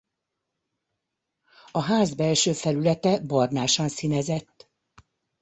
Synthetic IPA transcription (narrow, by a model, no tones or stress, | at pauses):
ɒɦaːzbɛlʃøːfɛlylɛt̪ɛbɒrnaːʃɒnsinɛzɛt̪ː